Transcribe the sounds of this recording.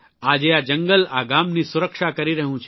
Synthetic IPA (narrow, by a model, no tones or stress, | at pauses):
ad͡ʒead͡ʒəŋɡəla̰ɡamnisuɾəkʃakəɾiɾəɦũt͡ʃʰ